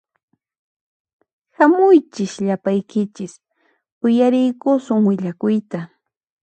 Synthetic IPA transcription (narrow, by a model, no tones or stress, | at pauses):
hamʊjt͡ʃɪʃʎapajkɪt͡ʃɪs | ʊjaɾɪjkʊsʊŋwɪʎakʊjt̪a